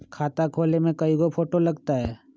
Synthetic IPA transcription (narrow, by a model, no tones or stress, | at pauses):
kʰaːt̪akʰoːlemẽkɐiɡopʰoːʈolɐɡt̪aɦɛː